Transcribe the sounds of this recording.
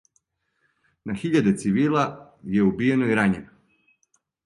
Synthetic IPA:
naxiʎad̪et̪siʋiːlˠajeubije̞noiɾaɲena

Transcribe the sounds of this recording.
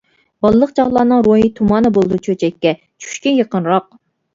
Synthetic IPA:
b̥ɑlˠɨlˠəq̚t͡ʃʰɑʁlˠɑːnɨŋɾoɦit̪ʰumɑːnɨbolˠɨd̪ut͡ʃʰøt͡ʃʰɛkʲːɛ | t͡ʃʰy̥ʃkʲɛjəqənɾɑq̚

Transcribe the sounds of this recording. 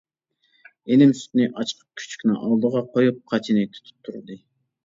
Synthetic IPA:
enɪmsy̥t̪nɪʔɑt͡ʃqʰə̥q̚kʲʰy̥t͡ʃʰy̥kʲnɪŋʔɑlˠd̪əʁɑqʰojup̚qʰɑt͡ʃʰinɪt̪ʰy̥t̪ʰy̥p̚t̪ʰuɾɨd̪ɨ

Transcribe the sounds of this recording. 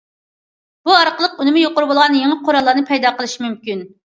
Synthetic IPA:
b̥uɑɾqəlˠəqunɪmɪjoqʊɾubolˠʁɑnjeŋəqʰoɾɑlˠːɑɾnɨpʰɛjd̪ɑqəlˠɨʃimymkʲyn

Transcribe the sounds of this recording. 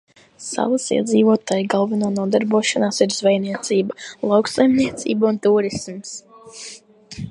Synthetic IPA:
sa̰vasḭɛd̪ziːvuɔt̪aːjɡalˠvanuːnuɔd̪aɾbuɔʃanaːsiɾzvɛjniɛt̪siːbalˠawksajmniɛt̪sḭːbaunt̪uːɾisms

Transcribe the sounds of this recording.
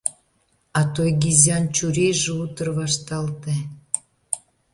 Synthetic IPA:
ɑt̪ojɡizʲɑnt͡ɕuɾejʒeut̪ərβɑʃt̪ɑlt̪e

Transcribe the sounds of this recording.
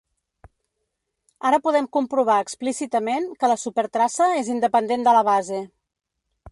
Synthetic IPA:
aɾəpuðɛmkumpɾuβ̞aəksplisit̪əmenkələsupəɾt̪ɾasəezind̪əpənd̪end̪ələβ̞aze

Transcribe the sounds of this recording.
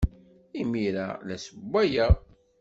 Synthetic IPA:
imiɾa̰læsəbʷːæjæ

